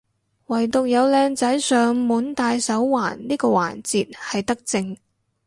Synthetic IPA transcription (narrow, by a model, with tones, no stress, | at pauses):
wɐ˨˩jt̪ʊ˨k̚jɐ˨˧wlɛː˧ŋt͡sɐ˨˥jsœː˨ŋmuː˨˥nt̪aː˧jsɐ˨˥wwaː˨˩nniː˥kɔː˧wa̰ː˨˩nt͡siː˨t̚hɐ˨jt̪ɐ˥k̚t͡sɪ˧ŋ